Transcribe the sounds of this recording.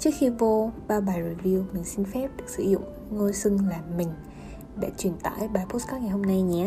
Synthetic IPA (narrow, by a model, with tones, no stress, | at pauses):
t͡ɕɨ˦˥ək̚xi˧vo˧ɓaː˧wɓaː˨˩jɾi˨˩vi˧wmï˨˩ŋ̟si˧nfɛ˦˥p̚ɗɨ˨˩ək̚sɨ̰˧˩zʊ̰˧˨ŋ͡m | ŋo˧jsɨ˧ŋlaː˨˩mːï˨˩ŋ̟ | ɗa̰ː˧˥t͡ɕwi˨˩ənt̪a̰ː˧˥˨jɓaː˨˩jpo˦˥skaː˦˥t̚ŋa˨˩jɦo˧mna˧jɲɛ˧˩